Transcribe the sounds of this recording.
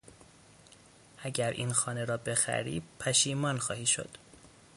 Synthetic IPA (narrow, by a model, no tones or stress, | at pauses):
ʔæɟæɾʔḭnxɒːne̞ɾɒːbe̞xæ̰ɾḭːpʰæʃiːmɒːnxɒːhiːʃo̰d̪̥